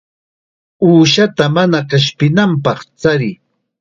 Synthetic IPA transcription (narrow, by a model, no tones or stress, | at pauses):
uːʃat̪amanakaʃpɪnamp̬ɑχt͡saɾɪ